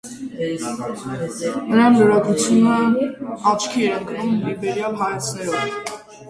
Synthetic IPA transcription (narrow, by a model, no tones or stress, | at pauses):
nəɾɑnləɾɑɡ̪ɾut͡sʰjunəɑt͡ʃʰkʰiɛɾəŋkʰnumlibɛɾjɑlɦɑjɑt͡sʰnɛɾɔv